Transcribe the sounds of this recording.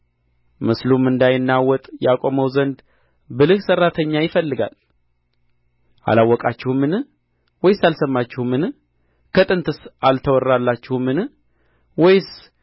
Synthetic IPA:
mɨslumɨnd̪ajɪnːawɔt̪ʼjakʼo̞məwzənd̪ | bɨlɨhsərːat̪ʰəɲːajɪfəlːɨɡa̰l | ʔa̰lawːɔkʼat͡ʃːɪhumːɨnɨ | wɔjsalsəmːat͡ʃːɪhumɨn | kʰət̪ʼɨnt̪ʰɨsalt̪ʰəwɔrːalːat͡ʃːɪhumɨn | wɔjs

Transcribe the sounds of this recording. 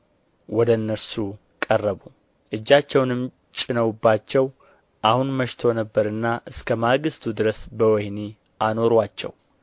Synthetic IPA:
wɔd̪əɨnːəsu | kʼərːəβu | ʔɨd͡ʒːat͡ʃːɛwnɨm | t͡ʃʼɪnəwubːat͡ʃːɛw | ʔahunməʃt̪ʰo̞nəbːəɾɨnːaʔɨskʰəmaɡɨst̪ʰud̪ɨɾəsbəwɛhni | ʔano̞ɾwat͡ʃːɛ̰w

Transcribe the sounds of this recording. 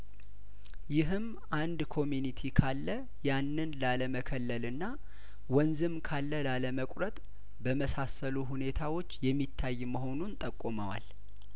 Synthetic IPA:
jɪɦɨm | ʔand̪kʰo̞mjunit̪ʰikʰalːə | janːɨnlaləməkʰəlːəlɨnːa | wɔnzɨmkʰalːəlaləməkʼɾət̪ʼ | bəməsasəluɦune̞t̪ʰawo̞t͡ʃːjɛmːit̪ʰːajːməɦo̞nunt̪ʼəkʼːuməwa̰l

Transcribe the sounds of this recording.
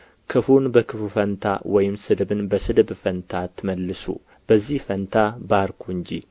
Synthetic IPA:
kʰɨfunbəkʰɨfufənt̪ʰa̰wɔjɪmsɨd̪ɨbɨnbəsɨd̪ɨbfənt̪ʰat̪ʰːɨməlːɨsṵ | b̥əzːihfənt̪ʰabaɾkʰuɨɲd͡ʒi

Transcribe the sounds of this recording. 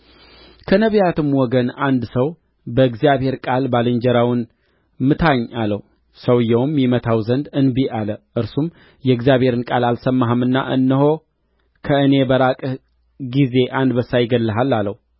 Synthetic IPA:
kʰənəβjat̪ɨmwɔɡənand̪səw | bəɨɡzijaβhe̞ɾkʼalbalɨɲd͡ʒɛɾawɨn | mɨt̪ʰaɲːalə̰h | səwɨjːɛwmjimət̪ʰawzənd̪ɨnbiʔaləʔɨɾsum | jɛɨɡzijaβhe̞ɾɨnkʼalalsəmːaɦəmɨnːa̰ʔɨ̰nːɨho | kʰəɨne̞bəɾakʼ | ɡize̞ʔand̪bəsajɪɡəlːəɦalːalːəh

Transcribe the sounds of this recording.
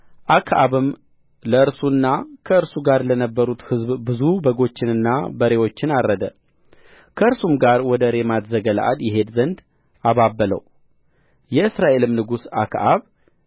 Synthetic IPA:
ʔakʰʔaβɨm | ləɨɾsunːakʰəɨɾsuɡaɾlənəbːəɾut̪hɨzβbɨzubəɡo̞t͡ʃːɪnɨnːabəɾe̞wo̞t͡ʃːɪnaɾːəd̪ə | kʰəɨɾsumɡaɾwɔd̪əɾe̞mat̪zəɡəl̰ʔa̰d̪jɪɦe̞d̪zənd̪ | aβabːələ̰w | jɛɨsɾaʔe̞lɨmnɨɡusa̰kʰʔaβ

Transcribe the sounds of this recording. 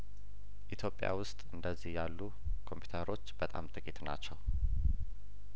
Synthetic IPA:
ʔit̪ʰjo̞pʼja̰wʊst̪ʼɨnd̪əzːihjalːu | kʰo̞mpʰju̥t̪ʰəɾo̞t͡ʃːbət̪ʼa̰mt̪ʼɨkʼit̪na̰t͡ʃːɛw

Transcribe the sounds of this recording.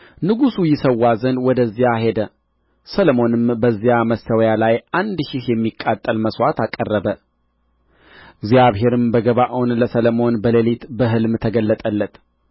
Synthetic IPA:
nɨɡusujɪsəwːazənd̪wɔd̪əzːijahe̞d̪ə | sələmo̞nɨmbəzːijaməst̪ʰəwjalajand̪ʃɪhjɛmːikʼːat̪ʼːəlməswat̪akʼːərːəbə | ɡzijaβɦe̞ɾɨmbəɡəβaʔonləsələmo̞nbəlelit̪bəɦɨlmt̪ʰəɡəlːət̪ʼəlːət̪

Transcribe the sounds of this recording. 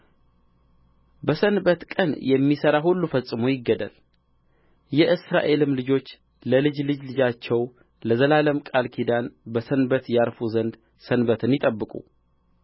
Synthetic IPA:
bəsənbət̪kʼənjɛmːisəɾaɦulːufəsʼːɨmo̞jɪɡːəd̪ə̰l | jɛʔɨsɾa̰ʔe̞lɨmlɨd͡ʒo̞t͡ʃː | ləlɨd͡ʒlɨd͡ʒlɨd͡ʒat͡ʃːɛw | ləzəlaləmkʼalkʰid̪anbəsənbət̪jaɾfuzənd̪ | sənbət̪ʰɨnjɪt̪ʼəbːɨkʼṵ

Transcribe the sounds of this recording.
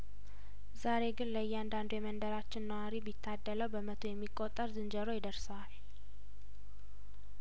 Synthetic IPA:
zaɾe̞ɡɨnləjːɛand̪and̪ojɛmənd̪əɾat͡ʃːɪnnəwaɾibit̪ʰːad̪ːələwbəmət̪ʰojɛmːikʼːot̪ʼːəɾzɨnd͡ʒəɾo̞jɪd̪əɾsəwal

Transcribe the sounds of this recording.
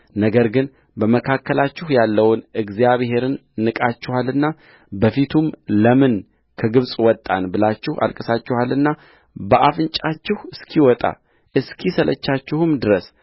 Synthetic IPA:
nəɡəɾɡɨn | bəməkʰakːəlat͡ʃːɪhjalːəwnɨɡzijaβhe̞ɾɨnːɨkʼat͡ʃːɪhalɨnːa | bəfit̪ʰumləmɨn | kʰəɡɨβsʼwɔt̪ʼːa̰nbɨlat͡ʃːɪha̰lkʼɨsat͡ʃːɪhalɨnːa | bəʔafɨnt͡ʃʼat͡ʃːɪhɨskʰiwɔt̪ʼa̰ | ʔɨskʰisəlʔə̰t͡ʃːat͡ʃːɪhumd̪ɨɾəs

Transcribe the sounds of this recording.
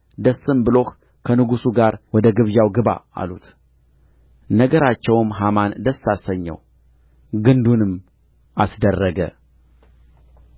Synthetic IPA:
d̪əsːɨmbɨlo̞h | kʰənɨɡusuɡaɾwɔd̪əɡɨβjawɡɨβa̰a̰lṵt̪ | nəɡəɾat͡ʃːɛwmɦamand̪əsːasəɲːɛ̰w | ɡɨnd̪unɨm | ʔasd̪ərːəɡə̰

